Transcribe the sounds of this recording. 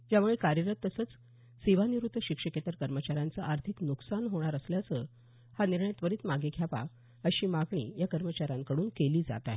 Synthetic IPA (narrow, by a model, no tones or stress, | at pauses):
d͡ʑjamuɭekaɾjəɾət̪ːəsəːt͡s | siʋaniɾud̪ʱːəɕikʂəket̪əɾkəɾmət͡ɕaɾjant͡səʔaɾt̪ʰiknuksanɦoɽ̃aɾəsljat͡sə | haniɾɳəjt̪ʋəɾiːt̪maɡekʰjapa̰ | əɕiːmaɡɳḭːjakəɾmət͡ɕaɾjaŋkəɽuːnkeliːd͡za̰t̪a̰ɦ